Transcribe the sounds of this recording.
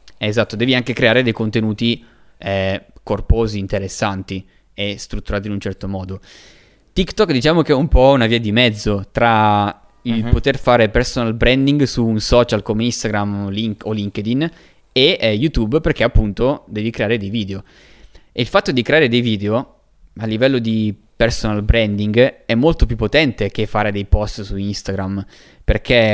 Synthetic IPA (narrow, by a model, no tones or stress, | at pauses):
ɛːzat̪ːod̪ɛːviaŋkekɾeaːɾed̪ejkont̪enuːt̪i | ɛkorpoːziːnt̪eɾesːant̪i | est̪ɾut̪ːuɾaːt̪inunt͡ʃɛrt̪omɔːd̪o | t̪ikt̪ɔkːd̪it͡ʃaːmok̟eɛumpɔunaviːad̪imɛd̪zːot̪ɾa | ilpot̪erfaːɾepersonalbɾɛnd̪iŋɡsuːnsɔːt͡ʃalkomeist̪aɡɾamliŋoliŋk̟ed̪in | ejut̪ubperkeapːunt̪od̪ɛːvikɾeaːɾed̪ejviːd̪eo | eilfat̪ːod̪ikɾeaːɾed̪ejviːd̪eo | alːivɛlːod̪i | personalbɾɛnd̪iŋɡɛmːolt̪op̬jupːot̪ɛnt̪ek̟efːaːɾed̪ejpɔst̪suinst̪aɡɾam | perkʰe